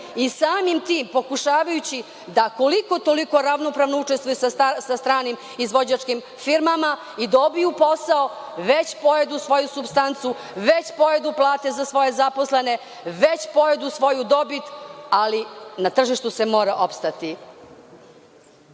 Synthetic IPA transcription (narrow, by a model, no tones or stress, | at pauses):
isaːmimt̪iːmpo̞kuʃaːʋajut͡ɕi | d̪ako̞liko̞t̪o̞liko̞ɾaʋno̞pɾaːʋnout͡ʂest̪ʋujusasast̪ɾaːnim | izʋo̞d͡ʑat͡ʃkim | fiɾmama | id̪aobijupo̞sao | ʋet͡ɕpojed̪usʋo̞jusubst̪ant̪su | ʋet͡ɕpo̞jed̪uplˠaːt̪ezasʋo̞je̞zaposlene̞ | ʋe̞t͡ɕpo̞jed̪usʋo̞jud̪o̞bit̪alinat̪r̩ʒiʃt̪usemo̞ːɾaʔo̞pst̪at̪i